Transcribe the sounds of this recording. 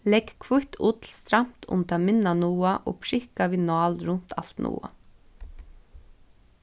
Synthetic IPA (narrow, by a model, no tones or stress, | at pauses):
lɛkːkʰvʊht̪ʰṵːt̪ʰɪlst̪ɾam̥t̪ʊ̰mt̪ʰaːmɪnːanuːaʔo̰ːpʰɹɪhkaʋiːnɑːlɾʊn̥t̪ʰa̰l̥t̪nṵːa̰